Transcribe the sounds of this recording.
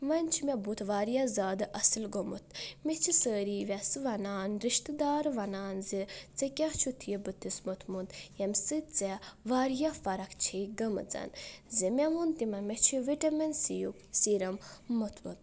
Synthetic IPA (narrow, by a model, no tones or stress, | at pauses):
ʋɐnʲt͡ʃʰimebut̪ʋaːɾjazaːd̪ɨʔɐsɨlɡomṵt̪ʰmet͡ʃʰisəːɾiːʋʲɐsɨʋɐnaːnɾiʃt̪ɨd̪aːɾʋɐnaːnzit͡sɐkʲɐɦt͡ʃʰut̪ʰijebɨt̪ʰːismut̪ʰmund̪jɐmsɨt͡sɛʋaːɾjafɐɾɐkʰt͡ʃʰiɡɐmɨ̰d͡zɐ̰nzimʲɛʋunt̪imɐmet͡ʃʰiʋiʈɐmɐnsijuksiɾɐmːut̪ʰmṵt̪